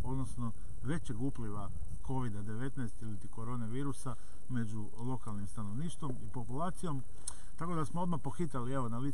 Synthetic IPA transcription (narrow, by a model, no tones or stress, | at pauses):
o̞d̪nosno̞ | ʋe̞t͡ɕeɡupliʋa | ko̞ʋid̪ad̪e̞ʋe̞t̪najst̪ilit̪iko̞ɾo̞ːneʋiːɾusa | me̞d͡ʑu | lˠo̞kalnimst̪ano̞ʋniːʃt̪ʋo̞mipo̞pulaːt̪sijo̞m | t̪ako̞d̪asmoo̞d̪mapo̞xit̪alieʋo̞nali